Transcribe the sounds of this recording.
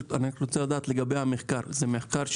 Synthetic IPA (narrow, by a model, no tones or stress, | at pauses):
taniʁot͡selad̪aːt̪le̞ɡabejhameχkaʁzemeχkaʁʃ